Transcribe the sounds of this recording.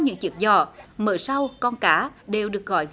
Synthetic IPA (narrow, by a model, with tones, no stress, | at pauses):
ɲɨ̰˧˥ŋt͡ɕi˨˧˩ək̚zɔ˧˩mə̰ː˧˩jsa˧wkɔ˧nkaː˧˩ɗe˨˩wɗɨ˨˩ək̚ɣɔ̰˧˨j